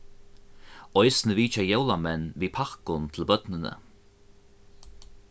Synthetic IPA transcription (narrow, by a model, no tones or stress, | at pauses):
ɔjsnəviːt͡ʃajɛwlamɛnviːpʰaxkʊnt̪ʰɪlbœd̪nənə̰